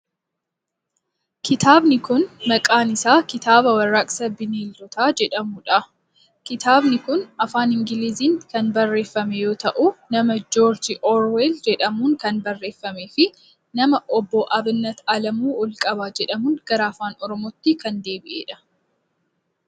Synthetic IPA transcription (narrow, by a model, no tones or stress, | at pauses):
kʰɪt̪ʰaːbnɪkʊnmɐkʼaːnɪsaːkɪt̪aːβɐwɐrːakʼsɐbɪniːld̪ɔt̪aːd͡ʒɛᶑɐmʊᶑɐ | kɪt̪aːbnɪkʊnɐfaːnɪŋɡɪliːziːŋkɐnbɐrːe̞ːfːɐmɛjo̞ːt̪ɐʔunɐmɐd͡ʒoːɾd͡ʒɪʔoːɾweːld͡ʒɛᶑɐmuːŋkɐnbɐrːe̞ːfːɐmeːfɪ | nɐmɐʔɔbːɔʔɐbnːɐt̪ɐlɐmuːɔlkʼɐbaːd͡ʒɛᶑɐmʊnɡ̥ɐɾaːfaːnɔɾɔmoːt̪ːɪkɐnd̪e̞ːbɪʔeːᶑɐ̥